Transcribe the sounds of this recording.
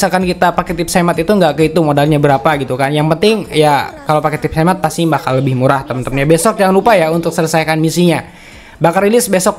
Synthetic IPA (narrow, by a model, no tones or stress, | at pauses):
salkankit̪apakɛt̪ɪp̚semat̪it̪uŋɡaʔkəit̪umodalɲabəɾapaɡit̪ukanjaŋpənt̪ɪŋjakalowpakɛt̪ɪp̚semat̪̚pasimakaləbɪhmuɾaht̪əmənt̪əmɲabesɔk̚d͡ʒaŋanrupajaunt̪ʊk̚sələsajkanmisiɲa | bakarilɪsbesɔk̚